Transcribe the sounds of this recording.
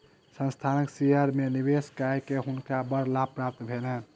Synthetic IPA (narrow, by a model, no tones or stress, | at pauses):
sə̃nst̪ʰaniksiəɾmenibeskajkeɦunkabəɾlapɾap̚t̪bʱenɛ